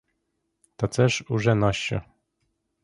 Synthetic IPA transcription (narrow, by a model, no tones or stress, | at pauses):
t̪ɔt̪sɛʂuʐɛnɔɕt͡ɕɔ̰